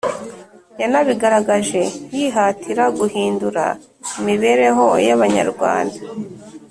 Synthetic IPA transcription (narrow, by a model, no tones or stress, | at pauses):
janaβiɡaɾaɡaʒe̞jiɦatʰiɾaɡuhiːnduɾa̰ | imiβe̞ɾe̞ɦo̞jaβaɲa̰ɾɡwa̰ːnda